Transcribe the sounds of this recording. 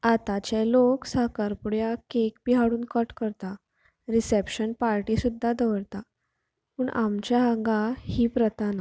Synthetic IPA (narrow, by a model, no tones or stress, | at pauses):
at̪at͡ɕeloksakaɾpuɽjakekpiɦaɽuːnkəʈkəɾt̪a | ɾisepɕənpaɾʈisud̪ʱːad̪əʋəɾt̪a | puːɳʔamt͡ɕjaaŋɡahiːpɾət̪ana